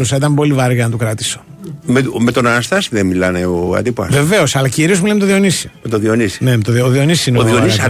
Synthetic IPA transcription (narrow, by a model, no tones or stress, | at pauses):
usɐit̪ɐmbo̞livɐɾɣɐnɐt̪ukɾɐt̪i̥so̞̥meme̞t̪o̞nɐnɐst̪ɐsiðemmilɐneoɐ̰t̪ipɐ̰ve̞ve̞o̞sɐlɐciɾiozmulemet̪oðio̞nisi̥t̪oðionisnemt̪oðoðio̞nissineoðonis